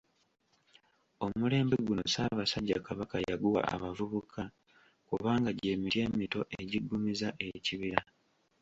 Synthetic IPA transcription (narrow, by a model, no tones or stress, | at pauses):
o̞mule̞ːmbeɡuno̞̰saːβasaɟːakaβakajaɡuwa̰a̰βavuβukʰa | kuβaːŋɡaɟe̞ːmiɾje̞ːmito̞ʔeɟiɡːumizaʔe̞ciβiɾa